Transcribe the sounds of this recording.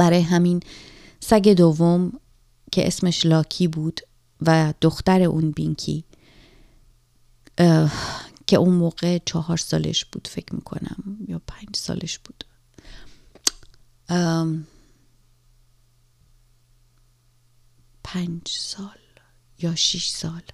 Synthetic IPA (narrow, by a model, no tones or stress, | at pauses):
b̥æɾɒːjeɦæmin | sæɟe̞d̪ovːom | cʰe̞̰ʔesme̞ʃlɒːcʰiːbuːd̪̥ | væd̪̥oxt̪æɾe̞ʔunbiŋkʰḭː | cʰe̞ʔunmoːɣe̞t͡ʃʰɒːɦɒːɾsɒ̰ːle̞̰ʃb̥uːd̪̥fe̞cʰmḭːkʰo̰næ̰mjɒːpʰænd͡ʒsɒ̰ːlʔeʃb̥uːd̪̥ | pʰænd͡ʒsɒːl | jɒːʃiʃsɒːl